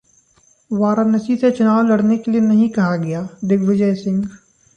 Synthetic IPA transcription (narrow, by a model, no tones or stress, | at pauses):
ʋaːɾanɐsiset͡ʃʊnaːʋlɐɽnekelienɐɦĩkɐɦaɡɐjaːd̪ɪɡʋɪd͡ʒəjsɪ̃ŋɡ